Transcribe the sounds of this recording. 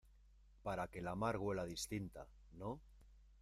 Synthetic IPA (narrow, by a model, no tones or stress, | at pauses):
paɾake̞lamaɾɣ̞we̞lað̞ist̪int̪a̰ | no